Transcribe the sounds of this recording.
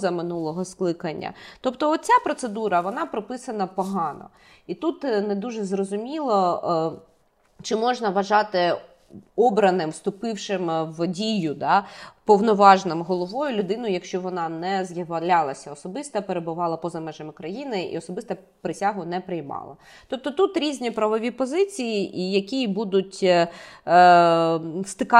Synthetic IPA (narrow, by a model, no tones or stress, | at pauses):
zɐmɪnulˠɔɦɔsklˠɪkɐnʲːɐ̰t̪ɔpt̪ɔɔt̪̚t͡sʲapɾɔt̪sed̪uɾɐʋɔnɑpɾɔpɪsɐnɐpɔɦɑnɔ̰ | it̪ut̪ned̪uʒɛzrɔzʊmʲilˠɔ | t͡ʃɪmɔʒnɐʋɐʒɑt̪ɪ | ɔbɾɐnɪmwst̪ʊpɪwʃɪmʋdʲijʊd̪ɑpɔwnɔʋɑʒnɪmɦɔlˠɔʋɔjʊlʲʊd̪ɪnʊjjɐkʃt͡ʃɔʋɔnɑnɛzjɐʋɐlʲɑlˠɐsʲɐɔsɔbɪst̪ɐpeɾebʊʋɑlˠɐpɔzɐmɛʒɐmɪkɾɐjinɪḭɔsɔbɪst̪ɐ | pɾɪsʲaɦʊnɛpɾɪjmɑ̰lˠɐ̰ | t̪ɔp̚t̪ɔt̪ut̪ɾʲizʲnʲipɾɐʋɔʋʲipɔzɪt͡sʲijiʔijɐkʲijbud̪ʊtʲ | st̪ɪkɑ